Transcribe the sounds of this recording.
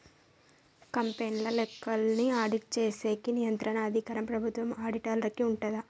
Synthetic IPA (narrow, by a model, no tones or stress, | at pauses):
kɐmpeːnlɐlɛkːɐlniaːɽit͡ʃeːseːkːinɪjɐnt̪ɾɐnɐɐd̪ʱikɐːɾɐmpɾɐbʱʊt̪ʋɐmaːɽiʈaːlɐɾɐkːiuɳʈɐðɐ